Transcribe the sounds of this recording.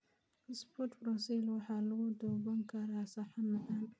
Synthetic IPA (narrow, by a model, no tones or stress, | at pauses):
ɪspɔt̪bɾɔsilwɑħɑːlɐɣʊd̪ɔːbɐŋkʰɐɾaːsɑħɑnɐʔan